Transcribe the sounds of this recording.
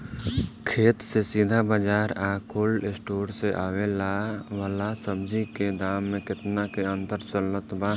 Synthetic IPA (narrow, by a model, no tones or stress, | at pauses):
kʰeːt̪sesid̪ʱabad͡ʒaːɾaːkʰoːlɪsʈoːɾseʔaːwelaʋalasəbd͡ʒiked̪aːmːẽkɪt̪nakeə̃nt̪əɾt͡ʃəlːət̪baː